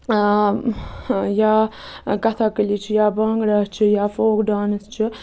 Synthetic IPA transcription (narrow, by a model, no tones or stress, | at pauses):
jakɐt̪ʰakəlit͡ʃʰijaːbɐŋɡɽaːt͡ʃʰijaːfoːkɖaːnəst͡ʃʰi